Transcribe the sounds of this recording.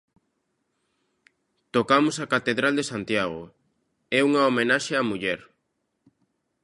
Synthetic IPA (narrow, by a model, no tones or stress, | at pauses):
t̪okamʊsakat̪eðɾald̪esant̪jaɣo | ɛuŋaomenaʃeamuʎɛɾ